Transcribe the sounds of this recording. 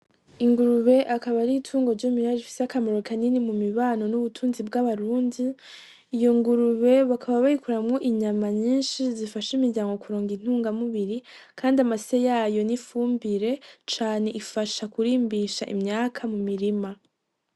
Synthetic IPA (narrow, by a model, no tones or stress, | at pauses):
iŋɡuɾuβe̞ʔakaβaɾitʰuːŋɡoɾɟomiɾaɾifi̥seakamoɾokʰaninimumiβaːno̞nuβutʰuːnzibɡaβaɾuːndiː | jo̞ŋɡuɾuβe̞βakʰaβaβaikuɾamŋoʔiɲamaɲiːnʃizifaʃimiɾɟaːŋɡo̞kuɾoːŋɡin̥huːŋɡamuβiɾi | kʰaːndiamasejaːjo̞nifuːmbiɾe̞t͡ʃaːne̞ʔifaʃakuɾiːmbiʃaʔḭmɲaːkʰamumiɾima